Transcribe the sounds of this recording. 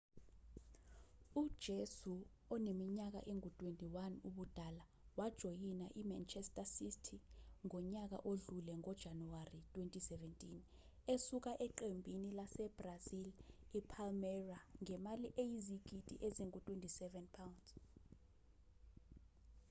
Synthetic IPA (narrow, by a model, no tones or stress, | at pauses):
ud̥ʒ̥ʱesu | ɔnemiɲak̬a̰ʔeŋutʼwentʼiwanuɓud̥ʱala | wad̥ʒ̥ʱɔjinaʔima̰nt͡ʃʰʼɛstʼasistʰiŋɔɲak̬a̰ʔoɮulɛŋɔd̥ʒ̥ʱanuwaritʼwentʼisɛvɛntʼin | esuk̬aʔɛǃembʱinilasɛb̥razilipʰalmɛraŋɛmaliʔejiziɡ̬ʱʼitʼḭʔeziŋutʼwentʼisɛvɛnpʰawndz